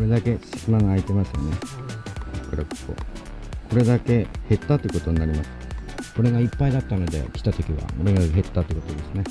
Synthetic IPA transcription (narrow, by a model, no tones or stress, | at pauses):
kɾe̞d̪ake̞sɨsɯnaŋaait̪e̞masɨjo̰ne̞ | akːɯɾakko̰kʰo̞ɾe̞d̪ake̞he̞t̪ːat̪ːoiɯ̟kot̪o̞ɲ̟inaɾʲimasɨ̥ko̞ɾe̞ɡaipːaid̪at̪ːano̞d̪e̞̰kʲi̥t̪at̪o̞kʲiβa̰moɾeɡaeɦe̞t̪ːat̪oi̟kot̪od̪e̞sɨne̞